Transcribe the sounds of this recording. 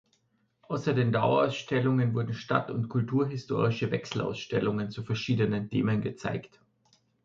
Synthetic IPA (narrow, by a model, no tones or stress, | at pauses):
ʔaʊsɐdeːndaʊɐa̰ʊsʃtɛlʊŋənvʊɐdn̩ʃta̰tʊ̰ntkʰʊltʰuːɐɦɪstʰo̰ːʁɪʃəvɛksl̩ʔa̰ʊsʃtɛlʊŋənt͡sufɛɐʃiːdənəntʰḛːmənɡət͡sa̰ɪkt